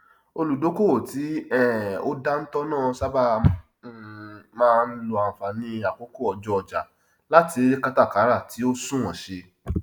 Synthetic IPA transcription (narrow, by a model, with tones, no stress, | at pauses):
o˧lu˨do˨˦ko˦˨ti˨˦ɛ˦˨o̰˦da˦n̩˦tɔ˦nãː˦˨sa˦ba˦ | mãː˦˧n̩˦lo˧a˨fa˨nĩ˧a˨ko˨˦ko˦˨ɔ˨d͡ʒɔ˧ɔ˧d͡ʒa̰˨ | la˦ti˧˦ɾi˦ka˦ta˦˨ka˨˦ɾa˦˨tʰi˨˦o˦sũ˦wɔ̃˨ʃe˧